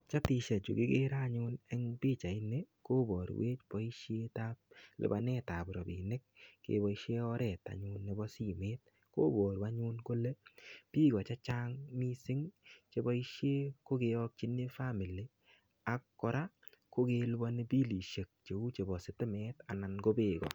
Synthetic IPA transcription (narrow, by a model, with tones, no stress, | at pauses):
t͡ʃa˦ti˧ʃa˨t͡ʃo̰˨kɪ̰˦ɡe˦ɾa˦ɲʊ˦nɛ˦ŋpiː˦t͡ʃa˨ɪ˦ne˦ko˦bɔ˨ɾ̰we˦t͡ʃpɔ˦i˦ʃje˦ta˦p̚lɪ̰˨ba˨nɛ˦ta˨pɾɔ˨bḭ˨nɪ˦k̚kḛ˨bɔ˨i˦ʃe˦ɔ˦ɾɛ˨ta̰˨ɲʊ˧nːe˨bɔ˦si˦˨me˦t̚ | ko̰˦bɔ˨ɾwa˦ɲu˦nko˦le˦pi˦ɡɔ˨t͡ʃa˦t͡ʃa˦ŋmi˦sɪ˦ŋt͡ʃe˦bɔ˦i˦ʃje˦ko˦ke˧ɔ˦k̚t͡ʃi˦ne˦fa˦mi˨li˨ | a˨kːɔ˨ɾa˦ | ko˦ke˧lɪ˦bɔ˧ne˦bi˦li˨ʃe˨k̚t͡ʃe˨u˦t͡ʃe˨bɔ˨sɪ˨tɪ˦mɛ˦ta̰˨na˨nko˦beː˨ɡɔ̰˨